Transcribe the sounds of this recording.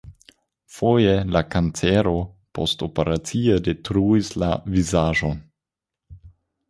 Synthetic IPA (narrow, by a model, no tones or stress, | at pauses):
fojelakant͡seɾo̞ | po̰stopeɾat͡siede̞tɾuislavizaʒon